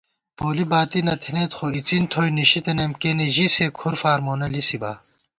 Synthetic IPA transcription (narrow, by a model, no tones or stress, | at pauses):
poːlibaːt̪inɐt̪ʰinet̪xoit͡sint̪ʰoːjniɕit̪enɐmkeneʑisekʰuɾfaːɾmoːnɐlisiba̰